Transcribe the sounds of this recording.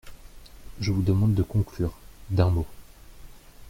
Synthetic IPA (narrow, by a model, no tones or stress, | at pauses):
ʒəvud̪əmɑ̃d̪ːəkɔ̃klyːʁd̪ɛ̃mo